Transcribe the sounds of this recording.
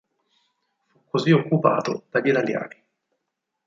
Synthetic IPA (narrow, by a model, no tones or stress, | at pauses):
fukʰːoziokːupa̰ːt̪o̰d̪̥aʎːit̪alja̰ːni